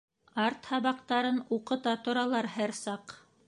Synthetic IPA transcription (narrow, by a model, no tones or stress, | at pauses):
ɑɾt̪hɑβɑqt̪ɑɾɤnuqɤ̆t̪ɑt̪ŏɾɑlˠɑɾhæɾsɑq